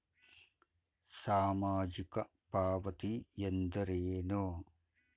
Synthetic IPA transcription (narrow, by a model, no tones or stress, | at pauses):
saːmaːd͡ʒikɐ | paːʋɐt̪ijend̪ɐɾeːnoː